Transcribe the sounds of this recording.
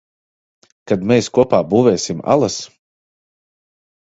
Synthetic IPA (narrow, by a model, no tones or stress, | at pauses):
kad̪mɛjskuɔpaːbuːvɛːsima̰lˠas